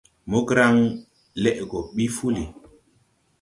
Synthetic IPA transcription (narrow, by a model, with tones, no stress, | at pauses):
mo˦ɡɾa˦ŋ | lɛ˦ʔɡɔ˨ɓi˦fu˦li˨